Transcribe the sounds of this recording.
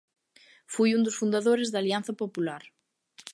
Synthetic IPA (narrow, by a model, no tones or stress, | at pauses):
fujund̪ʊsfund̪aðoɾɪzðalianθɐpopulaɾ